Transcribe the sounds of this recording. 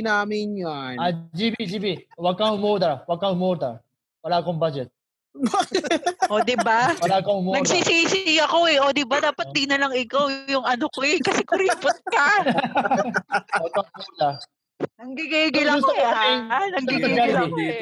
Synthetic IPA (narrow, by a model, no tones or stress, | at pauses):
naːmɪnɲanad͡ʒibid͡ʒiːbiwɐɡ̚kaŋʊmoːd̪ɐwɐɡ̚kɐʊmoːd̪ɐ | wɐlaːkoŋbaːd͡ʒɛt̪̚ | bakʔod̪ɪbawɐlaːkoʊmnɐɡsiːsiːsɪɐko̞ɛʔoːd̪ɪbad̪aːpɐt̪̚d̪inɐlɐŋɪkawjʊŋɐnokoɛkɐsɛkʊɾipʊt̪̚kɐ | wɐɡ̚aŋmoːd̪a | nɐŋɡiɡiːɡɪlɐkɐaɪnɐɡiɡaɪlɛ